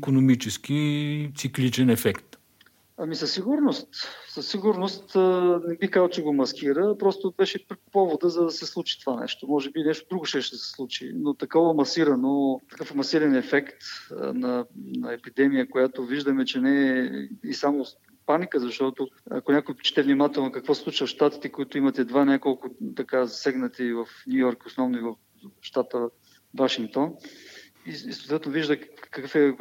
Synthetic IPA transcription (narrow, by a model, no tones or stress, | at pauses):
ikonomit͡ʃɛsk̟it̪siklit͡ʃɛnɛfɛkt̪ | ɐmisɐsːiɡʊɾnost̪sɐsːiɡʊɾnost̪nɛbixkazəlˠt͡ʃɛɡomɐskiɾəpɾɔst̪obɛʃɛpɾpɔvod̪əzɐd̪ɐsɛslˠut͡ʃi̥t̪ovanɛ̰ʃt̪omɔʒɛbinɛʃt̪od̪ɾuɡʊʃɛʃt̪sɛ̥slˠut͡ʃḭnot̪ɐkɔvɐmɐsiɾɐnot̪ɐ̥kɤfmɐsiɾɛnɛfɛkt̪nɐnɐɛpid̪ɛmijəkʊjat̪oviʒd̪əmɛt͡ʃɛnɛːisamo | panikəzɐʃt̪ɔt̪oɐ̰konʲakʊjpt͡ʃɛ̥t̪ɛvnimat̪ɛlˠnokɐkvɔsɛsˠut͡ʃvəfʃt̪at̪i̥t̪ɛkoit̪ʊimɐt̪ɛd̪vanʲakolˠkʊt̪ɐkazɐsɛɡnɐt̪ivɐfnʲujɔɾkosnɔvnoivɐf | ʃt̪at̪ə | vaʃiŋk̚t̪on | isot̪vɛt̪noviʒd̪əkɐkɤfɛ